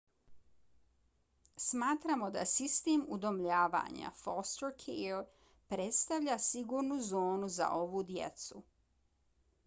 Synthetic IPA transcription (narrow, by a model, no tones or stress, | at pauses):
smaːt̪ɾamo̞d̪a̰sist̪eːmud̪omʎaːʋa̰ɲa̰fost̪ɾkʰel | pɾet̪st̪aʋʎasiɡuɾnuzo̞ːnuza̰ʔo̞ʋud̪jḛt̪su